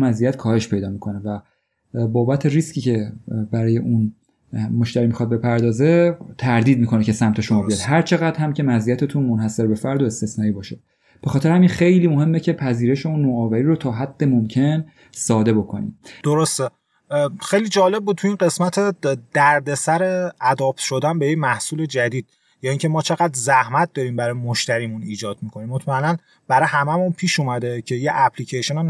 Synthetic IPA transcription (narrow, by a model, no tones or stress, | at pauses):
mæzijæt̪kʰɒːhe̞ʃpʰe̞jd̪ɒːmikʰo̞nevæ | bɒːbæt̪ʰe̞ɾiscʰiːcʰe̞bæɾɒːjeʔun | mo̞ʃt̪æɾimixɒd̪̚be̞pʰæɾd̪ɒːze̞t̪ʰæɾd̪iːd̪̚miːkʰo̞necʰe̞sæmt̪ʰeʃo̞mɒːbijɒd̪̥ɦæɾt͡ʃʰe̞ɣæd̪̥hæmcʰe̞mæzijæt̪ʰet̪ʰunmonhæse̞ɾbe̞fæɾd̪o̞e̞st̪e̞snɒːibɒːʃe | b̥exɒːt̪ʰe̞ɾehæminxe̞jliːmo̞ɦe̞mːe̞cʰepʰæziːɾe̞ʃe̞unːoːɒːvæɾiːɾot̪ʰɒːɦæd̪̥ːe̞momcʰe̞n | sɒːd̪e̞bo̞kʰo̞̰nḭmd̪̥o̞ɾo̞st̪e | xejliːd͡ʒɒːle̞b̚buːt̪̚tʰuiːnɢe̞smæt̪ʰe̞d̪̥æɾd̪e̞sæɾe̞æd̪ɒːpʃo̞d̪ænbe̞jecmæhsuːle̞d͡ʒæd̪iːd̪̥ | jɒːiŋcʰe̞mɒːt͡ʃʰe̞ɣæd̪zæhmæt̪̚d̪ɒːɾiːmbæɾɒːjemoʃt̪æɾiːmuniːd͡ʒɒːd̪̚miːkʰo̞niːmːot̪ʰmæelæn | b̥æɾɒːjehæmæmunpʰiːʃuːmæd̪e̞cʰe̞jeʔæpʰlicʰeʃenon